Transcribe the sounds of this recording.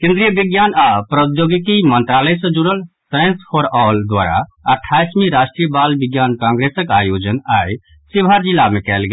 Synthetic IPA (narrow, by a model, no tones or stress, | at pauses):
kẽnd̪ɾijəbiɡjanapɾət̪joɡik̪imənt̪ɾaləjsə̃d͡ʒuɽəl | sajnspʰoɾɔld̪ʋa̰ɾa̰əʈʰːajsmiɾasʈɾijəbalbiɡjankãŋɡɾesəkajod͡ʒənaj | sibʱaɾd͡ʒilːamekɛlɡe